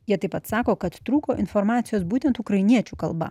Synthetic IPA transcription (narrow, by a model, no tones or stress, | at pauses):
jiɛt̪ɐɪpɐt̪sɑːkoːkɐt̪t̪ɾuːkoːʔɪnfɔɾmɑːt̪sʲɪjoːsbuːt̪ʲɛnt̪ukɾɐɪnʲiɛt͡ʃʲuːkɐ̰lˠbɐ̰